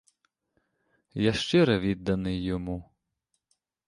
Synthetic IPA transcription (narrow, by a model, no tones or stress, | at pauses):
jaʃt͡ʃɪɾɐʋʲid̪ːɐnɪjːɔmu